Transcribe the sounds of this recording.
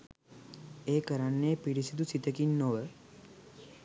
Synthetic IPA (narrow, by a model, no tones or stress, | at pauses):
eːkəɾanːepiɽisid̪usit̪əkinːoʋə